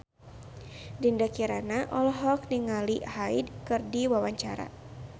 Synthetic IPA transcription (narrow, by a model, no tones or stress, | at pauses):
dindakiɾanaʔɔlɔɦɔk̚niŋalihaidkɨrdiwawaɲt͡ʃaɾa̰